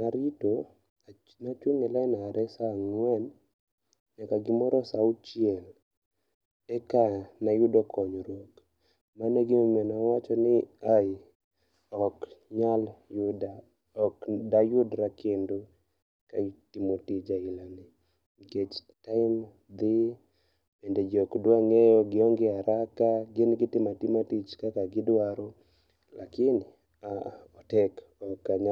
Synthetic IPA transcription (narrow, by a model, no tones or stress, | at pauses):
naɾito | nat͡ʃweŋɛlanaːɾʔɛsaŋwɛn | ɲakaɡɪmɔɾɔsaʊt͡ʃiɛl | ɛkanajʊdɔkʰɔɲɔɾok | manɛɡɪmomɛnawat͡ʃɔnɪaɪ | ɔkɲaljʊda | ɔkdajʊdɾakendo | ka̰tɪmotit͡ʃailani | ket͡ʃtaɪm | d̪ɪ | bɛndɛd͡ʒɔkdwaŋɛjɔɡɪɔŋɡɪaɾakaɡɪnɡɪtɪmatɪmatit͡ʃkakaɡɪdwaɾɔ | lakɪn | aɔtɛkɔkːaɲa